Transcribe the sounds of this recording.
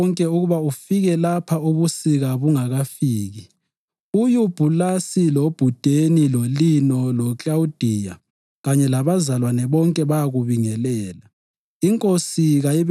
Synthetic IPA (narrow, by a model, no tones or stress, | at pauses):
ŋkʼɛuɣuβaufiɣɛlapʰauβusiɣaβuŋaɣafiːɣi | ujub̥ʱulasilob̥ʱud̥ʱenilolinɔlɔt͡ɬʼawud̥ʱiːja̰ | ɣaɲɛlaβazalwanɛβɔŋkʼɛβajaɣuβiŋɛlɛːla | iŋkʼosiɣajiβ